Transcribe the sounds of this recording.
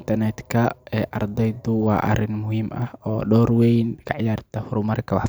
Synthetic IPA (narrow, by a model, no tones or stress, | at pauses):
nt̪ʰɐrnɛt̪kʰɐɛːʔɐ̰rd̪ɛjd̪ʊwɑ̰ːʔɐ̰rɪnmʊhiːmɐhɔːɖɔːrwɛjnkʰɐʕjaːrt̪ʰɐhʊɾʊmɐrkʰɐwɑħ